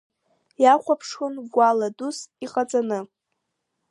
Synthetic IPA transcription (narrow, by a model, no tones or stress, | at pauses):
jaχʷapʰʂχɨnɡʷaladusiqʼat͡sʼanɨ